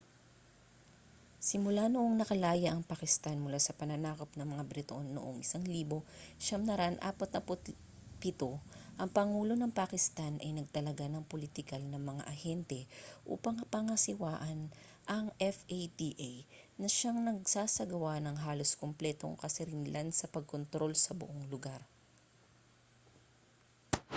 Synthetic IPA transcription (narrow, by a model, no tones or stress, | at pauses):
sɪmʊlanoʔo̞ŋnɐkɐlaːjɐʔɐŋpakɪst̪anmʊlasɐpɐnɐnaːko̞p̚nɐŋmɐŋabɾɪt̪oʔonːoʔoŋʔɪsaŋliːbo̞ʃɐŋnɐɾɐʔɐnʔa̰ːpɐt̪̚nɐpot̪ | pɪt̪oʔɐŋpɐŋuːlo̞nɐŋpakɪst̪anʔɐjnɐɡ̚t̪ɐlɐɡanɐŋpolit̪ɪkɐlnɐŋmɐŋa̰ʔɐhɛnt̪ɛʔṵːpɐŋpɐŋɐsɪwaːʔɐn | ʔɐŋʔɛfet̪iʔaj | nɐʃaŋnɐɡsaːsɐɡɐwanɐŋɦaːlo̞skomplɛt̪o̞̰ŋkɐsɪɾɪnɪlʔansɐpɐɡ̚kont̪ɾo̞lsɐbʊʔoŋlʊɡaɾ